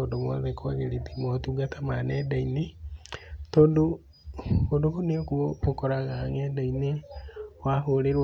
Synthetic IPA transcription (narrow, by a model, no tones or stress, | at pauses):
odomwɔðekʰoɣeɾitimotuɡatamanɛdaine | toːndo | odokoneokuookɔɾaɣaŋɛdainewaɦoɾeɾ